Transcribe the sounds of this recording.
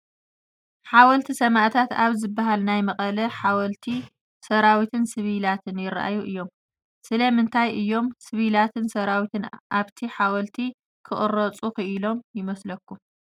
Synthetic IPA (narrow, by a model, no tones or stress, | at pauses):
ħawɐlt̪ʰisɐmaʔt̪ʰat̪aβzɨbːaɦalnajmɐχʼɐlɐħawɐlt̪ʰi | sɐɾawit̪ʰɨnsɨβilat̪ʰɨnjɪɾa̰ʔa̰juʔɨjːo̞m | sɨlɐmɨnt̪ʰajʔɨjːo̞msɨβilat̪ʰɨnsɐɾawit̪ʰɨnʔaβt̪ʰiħawɐlt̪ʰi | kʰɨχʼɨɾɐt͡sʼukɨʔɨlo̞mjɪmɐslɐkːu